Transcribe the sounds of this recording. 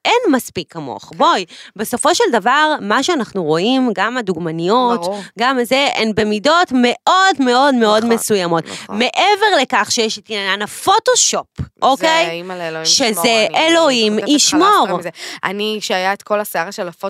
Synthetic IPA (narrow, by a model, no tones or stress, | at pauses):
ʔenmaspikʰːamo̰χbo̞jbe̞so̞fo̞ʃeldavaʁmaʃeanaχnuʁo̞imɡamad̪uɡmanijo̞t̪ɡamazeʔenbe̞mido̞tme̞ʔo̞dme̞o̞dme̞o̞dme̞sujamo̞tme̞ʔeve̞ʁle̞kaχʃejeʃit̪iananafo̞toʃopʔokejʃezeʔelo̞imiʃmoʁʔa̰niʃeajaet̪kʰo̞laseaʁaʃelafo